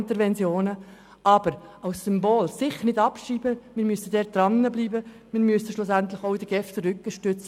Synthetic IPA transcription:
nt̪əɾʋɛnt͡sjoːnə | ʔɑb̥əɾɑʊsːʏmboːlsɪχənɪdɑpʃiːb̥əmɪːɾmyəsəd̪ɛːd̥ɾɑnːəbliːbə | mɪɾmyəsəʃlʊsænt̪lɪxoʊid̥̪əɡ̥ɛftəɾʏkːəʃtʏt͡sə

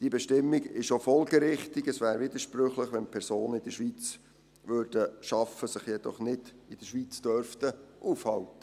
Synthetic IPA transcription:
d̥ibɛʃtɪmːiɡɪʃofɔlɡəɾɪχt̪iɡəsʋæːɾvɪd̪əʃpɾʏχləχʋɛnpʰɛɾsoːnəɪd̥̪əʃʋit͡s | ʋøːɾd̥əʃɑfəsɪχjɛd̥ɔ̰χnɪd̥ɪd̥əʃʋit͡sd̥øɾftəʔuːfhɑltə

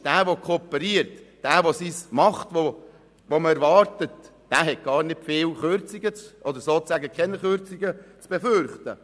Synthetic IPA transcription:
d̥æːʋokʰopəɾiəɾtd̥æːʋosismɑχtʋo | ʋoməɛɾʋɑːɾtət | d̥æːɦɛt̚ɡ̥ɑːɾnɪtfeːlχøɾt͡siɡət͡sʔɔd̪əɾsoːt͡sæɡəkʰɛnəχøɾt͡siɡət͡sb̥efʏɾχt̪ə

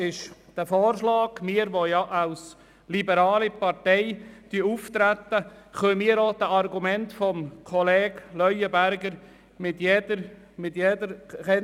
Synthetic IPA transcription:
ɪʃd̥əfɔːɾʃlɑːɡ̥mɪːəɾʋojɑʔaws | libəɾɑːlipɑɾtɛɪtyuft̪ɾæt̪ːəχœmiːɾɔd̥əʔɑrɡumɛntfɔmkʰɔlɛːɡ̥lœʏəbæɾɡəɾ | mɪtjedəɾ | mɪtjedəɾɛ

